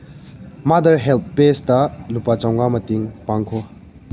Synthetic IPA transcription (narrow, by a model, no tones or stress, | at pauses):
madɐɾɦelp̚pestɐlupat͡ʃawŋamɐtiŋpaŋkʰɔ